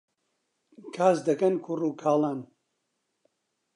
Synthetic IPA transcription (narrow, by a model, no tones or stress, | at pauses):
kʰaːsd̪ɐkɐnkʰuruːkʰaːlˠaːn